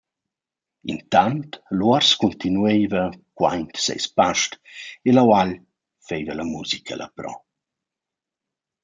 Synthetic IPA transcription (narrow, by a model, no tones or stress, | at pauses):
ḭnt̪ant̪luɔɾskunt̪inuejvəkwa̰jnt̪sḛjspaʃtelawaʎ | fejvəlamuzikʰə̰lʔa̰pɾɔ̰